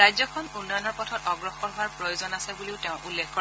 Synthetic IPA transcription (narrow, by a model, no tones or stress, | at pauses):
ajzɔkʰɔnunːɔjɔnɔɹpɔtʰɔtɔɡɹɔxɔɹɦʊwaɹpɹɔjozɔnasɛbuliʊteʊ̃ʔulːekkɔɹ